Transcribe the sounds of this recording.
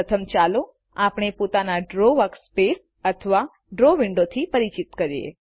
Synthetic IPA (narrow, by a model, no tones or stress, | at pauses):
ət̪ʰəmt͡ʃalo | apɳ̃epot̪anaɖɾoʋəkspes | ət̪ʰəʋa | ɖɾoʋɪɳɖot̪ʰipəɾit͡ʃit̪kəɾjḛ